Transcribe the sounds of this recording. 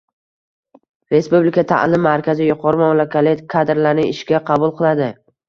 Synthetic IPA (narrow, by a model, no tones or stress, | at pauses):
ɾe̞spublikʰʲat̪ʰa̰ʔlˠɪmːaɾkʲazɪjʊqʰɒɾɪmamlˠakʲʰalɪkʰad̪ɾlaɾnɪɪʃɡʲaqʰɑbʊlˠqʰɨlˠad̪ɪ